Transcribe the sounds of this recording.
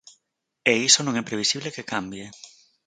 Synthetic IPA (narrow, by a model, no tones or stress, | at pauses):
eisonõŋɛpɾeβisiβlekekambje